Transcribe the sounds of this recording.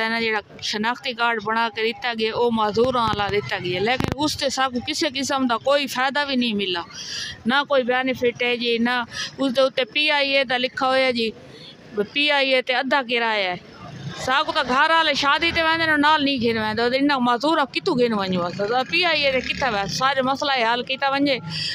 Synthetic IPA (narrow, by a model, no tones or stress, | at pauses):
anãd͡ʒeːɽaː | ʃənaːxt̪iːkaːɾɖbəɽ̃aːkeɪt̪aːɡɪeoːmaːzuːɾãːlaːd̪ɪt̪aːɡɪeleːkɪnʊst̪esaːkukɪseːk̬ɪsəmd̪aːkoːiːfʰaːd̪abʱiːnɐĩːmɪlaːnakoːiːbjaːnifʰɪʈeːd͡ʒiːnəʊst̪eʊt̪epiːaːieːt̪̬alɪkʰaɦoːjaːd͡ʒiː | piːaːiet̪eɐd̪ʱak̬ɪɾaːaːe | saːkut̪aɡʱɐɾaːleʃaːd̪it̪eʋẽːnd̪nonaːlnĩːkʰẽːnʋẽːn̆d̪ot̪ɪ̃nãmaːzuːɾãkɪt̪uɡeːnũʋɐɲũaːsatapiːaːiet̪ekɪt̪ʰaʋesaːɾamɐslaiɦaːlkit̪aʋɐ̃ɲd͡ʑeː